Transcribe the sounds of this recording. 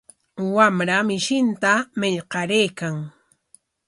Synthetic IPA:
wamɾamɪʃɪnt̪amɪʎqɑɾejkaŋ

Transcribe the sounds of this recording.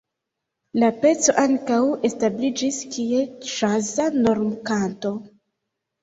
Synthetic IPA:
lape̞t͡so̞ʔaŋkawe̞stablid͡ʒiskie̞t͡ʃazano̞ɾmkanto̞

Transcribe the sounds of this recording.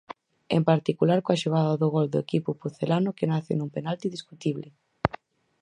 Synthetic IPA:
empaɾt̪ikulaɾkoaʃoɣ̞aðaðʊɣɔld̪oʊekipʊpuθelanʊkenaθɪ̰numpenalt̪iðiskut̪iβlɪ

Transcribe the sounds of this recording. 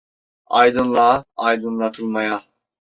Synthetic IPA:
ɑjd̪ɯnlˠɑːjd̪ɯnlˠɑt̪ʰɯlˠmɑja

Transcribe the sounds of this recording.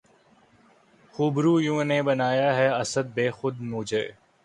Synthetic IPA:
xuːbɾuːjũːneːbɐnaːjaːɦɛɐsəd̪̚beːxʊd̪muːd͡ʒeː

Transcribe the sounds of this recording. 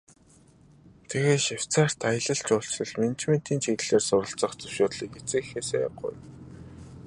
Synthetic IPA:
t̪ʰeɣeːʃaw̥t͡saːr̥t̪ajə̆ɮə̆ɬt͡ɕʊɬt͡ɕɮɞ̆ɮment͡ɕmen̥t̪iːnt͡ɕʰiɣɮeːrsʊɾə̆ɬt͡sə̆χt͡sɵwʃʊːt̪ɮiːket͡sĕːxeːsḛːɢʊ̰j

